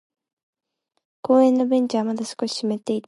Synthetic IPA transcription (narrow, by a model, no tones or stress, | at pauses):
koːenːobent͡ʃaːmad̪asɨ̥koɕi̥ɕimet̪ːejt̪